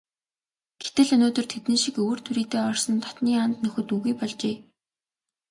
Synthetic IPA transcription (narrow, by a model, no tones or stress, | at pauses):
ɡ̥et̪ɘ̆ɮɵnoːt̪ɵ̆rt̪ʰet̪nĭːʃikɵːr̥t̪ʰuɾiːt̪eːɔrsɞ̆nt̪ʰɔ̥t̪niːant̪nɵxɵ̆t̪uɣujpɔɮt͡ɕeː